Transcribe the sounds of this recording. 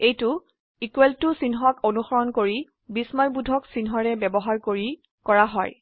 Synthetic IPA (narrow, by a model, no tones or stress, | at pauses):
ejtʊ | ikuweltʊsinɦɔkonuxɔɹɔnkoɹi | bismɔjbudʱɔksinɦɔɹɛbɛbɔɦaɹkoɹi | kɔɹaɦɔj